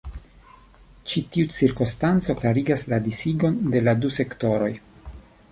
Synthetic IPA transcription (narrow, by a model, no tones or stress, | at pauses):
t͡ʃitiut͡siɾkostant͡so̞klaɾiɡasladisiɡo̞nde̞laduse̞kto̞ɾo̞j